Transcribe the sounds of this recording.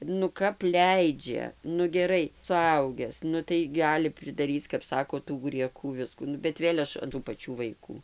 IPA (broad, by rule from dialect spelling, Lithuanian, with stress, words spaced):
nʊ ˈkɐp ˈlʲɛɪd͡ʒʲɛ nʊ ɡʲɛˈrɐɪ sʊˈɐʊɡʲæːs ˈnʊ tɐɪ ˈɡɑːlʲɪ pʲrʲɪdɐˈrʲiːt͡s kɐp ˈsɑːkoː tuː ɡrʲiɛˈkuː ˈʋʲɪskuː ˈnʊ bʲɛt ˈʋʲeːlʲ ˈɐʃ ɐn tuː pɐˈt͡ʃʲuː ʋɐɪˈkuː